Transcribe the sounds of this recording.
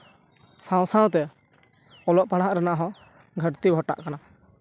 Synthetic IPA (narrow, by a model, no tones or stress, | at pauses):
sãw̃sãw̃t̪ɛ | ɔlɔʔpaɽaɦaʔɾanaʔɦɔ̃ | ɡʱəɾt̪iɡʱɔʈa̰ʔkana